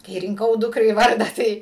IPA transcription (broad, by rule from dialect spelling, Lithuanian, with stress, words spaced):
kɐɪ rʲɪŋˈkɐʊ ˈdʊkrɐɪ ˈʋɐrdɑː ˈtɐɪ